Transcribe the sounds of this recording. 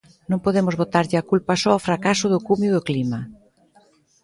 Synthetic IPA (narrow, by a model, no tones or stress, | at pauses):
nõŋpoðemʊzβot̪aɾʎɪakulpasɔofɾakasʊðʊkumjʊðʊklima